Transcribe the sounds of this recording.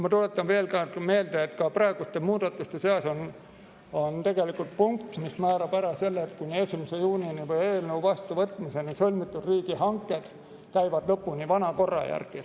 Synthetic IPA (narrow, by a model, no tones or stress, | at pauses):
mɑt̪ulet̪ːˑɑnve̞ːlkɑme̞ːld̪̥eet̪kɑprɑe̞ɡ̥ust̪emuːd̪̥ɑt̪ːˑust̪eseɑson | ont̪e̞ɡ̥e̞likult̪̚puŋk̚t̪mismæːɾɑb̥æɾɑse̞lːeːt̪kujniesimɑsejuːnʲinivɤje̞ːlnəuvɑst̪uvɤt̪ːˑmisenisolʲmit̪ːˑud̪̥riːɡ̥ihɑŋkːˑe̞d̪̥ | kæjvɑd̪̥lɤpːunʲivɑnɑko̞rːɑ̰jæ̰rɡ̥i